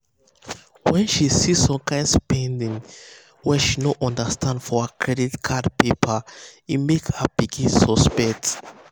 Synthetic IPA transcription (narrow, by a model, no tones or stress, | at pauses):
wɛ̃nʃisisɔ̃mkʰãɪ̃nspʰɛ̃ndĩŋ | wɛʃinoʔɔ̃ndəstʰãndfɔakʰɹɛditkʰadpepʰaimekhab̥iɡĩnsɔspɛk̚t